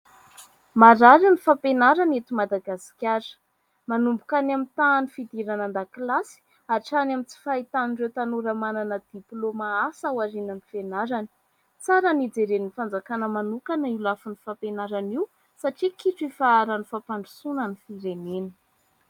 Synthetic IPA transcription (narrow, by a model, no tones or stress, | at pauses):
maɾaɾinifapenaɾanet̪umad̪aɡasi̥kʲaɾə̥ | manumbukanamit̪aːnifid̪iɾanand̪aklasi̥ | aʈ͡ʂanamit͡si̥fait̪aninrewt̪anuɾəmananəd̪̥iplomaasawaɾinanifenaɾani̥ | t͡saɾənid͡zeɾeniifand͡zakanəmanukanəilafunifapenaɾaniw | saʈ͡ʂikiʈ͡ʂefaaɾanifapaɳɖ͡ʐusunənifiɾenenə̥